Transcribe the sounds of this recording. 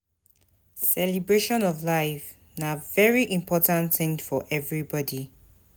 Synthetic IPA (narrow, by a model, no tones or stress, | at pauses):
sɛlibɹeʃɔ̃nɔvlaɪf | navɛɹiʔĩmpʰɔtãntθɪ̃ŋfɔʔɛvɹibɔdi